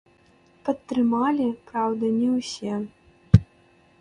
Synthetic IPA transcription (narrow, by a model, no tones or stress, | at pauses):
pɐt̪ːɾɨmalʲipɾawd̪ɐnʲɛwsʲe